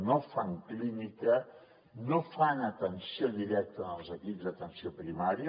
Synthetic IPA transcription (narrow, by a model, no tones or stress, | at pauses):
nofaŋklinikə | nofanət̪ənsioðiɾɛk̚t̪ənəlˠzəkipzðət̪ənsiopɾimaɾi